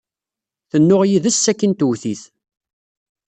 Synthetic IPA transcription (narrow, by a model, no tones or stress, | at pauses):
θənːʊʁjiðəsːækːənt̪wθiθ